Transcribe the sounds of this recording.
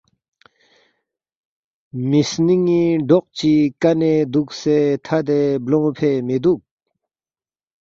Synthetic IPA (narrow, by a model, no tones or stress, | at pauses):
misniŋːiɖɔq̚t͡ɕikaned̪uk̚set̪ʰad̪eblɔŋpʰeʔmed̪uk̚